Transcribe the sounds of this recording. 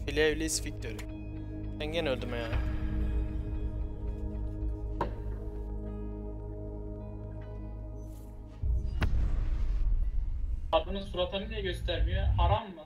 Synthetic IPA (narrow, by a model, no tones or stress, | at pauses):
filʲɛvlʲisfic̚t̪ʰøɾy | bænɟenølʲd̪ymaja | ad̪ɯnɯzfuɾat̪ʰanid̪iɛɟøst̪ʰæɾmijøhaɾamːɯ